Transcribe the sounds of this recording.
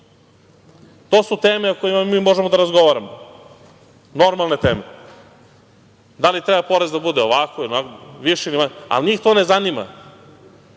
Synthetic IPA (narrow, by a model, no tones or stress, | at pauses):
t̪oːsut̪eːmeokojimamiːmo̞ʒemod̪aɾazɡoʋaɾamo | no̞ɾmalˠne̞t̪eːme | d̪alit̪ɾɛbapo̞ɾezd̪abud̪eoʋakoilonakʋiʃenimaa̰lniːxt̪o̞nezanima̰